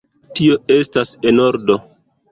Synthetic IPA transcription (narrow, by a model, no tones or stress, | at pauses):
tio̞e̞stase̞noɾdo̞